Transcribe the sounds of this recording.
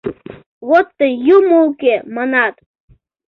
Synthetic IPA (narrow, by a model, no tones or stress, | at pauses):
βot̪ːəjumoukemɑnɑt̪